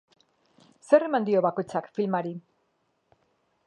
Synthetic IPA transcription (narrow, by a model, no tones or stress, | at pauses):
se̞ɾe̞mand̪io̞βako̞jt͡sakfilmaɾi